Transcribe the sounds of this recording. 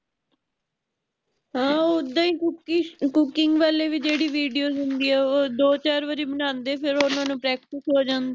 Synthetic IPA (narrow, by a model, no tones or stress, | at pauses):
ɦãːoːd̪ãːĩːkkʊkɪŋɡʋaːleːʋiːd͡ʒeːɽiːʋiːɖijoːzɦʊ̃nd̪iːɛːoːd̪oːt͡ʃaːɾʋəɾiːbənãːnd̪eːpʰɪɾʊnãːnũːpɾɛːk̚ʈɪsɦoːd͡ʒãːnd̪eː